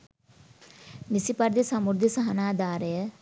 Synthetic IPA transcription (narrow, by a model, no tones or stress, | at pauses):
nisipɐɾd̪isɐmuɾd̪isɐɦɐnaːd̪aːɾəjə